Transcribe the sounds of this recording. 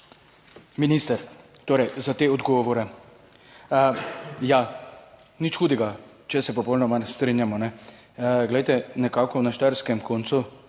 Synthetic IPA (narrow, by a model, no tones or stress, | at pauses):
minist̪ɛɾt̪oːɾɛjzat̪eːɔd̪ɡɔːʋɔɾɛ | ja | nit͡ʃxuːd̪ɛɡa | t͡ʃɛsɛpɔpɔwnɔmanst̪ɾinjamɔnɛ | ɡlɛjt̪ɛnɛkaːkɔwnaʃt̪ɛɾskɛmkont̪su